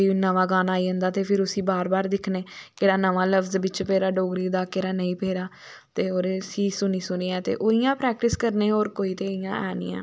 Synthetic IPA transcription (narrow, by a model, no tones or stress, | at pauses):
iːnəʋãːɡaːnaːiːə̃nd̪aːt̪eːpʰɪɾʊsĩːbaːɾbaːɾd̪ɪkʰneːkeːɽaːnəʋaːləʋzbɪt͡ʃpeːɾaːɖoːɡɾiːd̪aːkeːɾaːnəĩːpeːɾaː | t̪eːoːɾeːsiːsʊniːsʊniːɛːt̪ḛːʔoːijãːpɾɛːk̚ʈɪskəɾneːoːɾkoːiːt̪eːɪjãːʔɛ̰ːnḭ̃ːɛ̰̃ː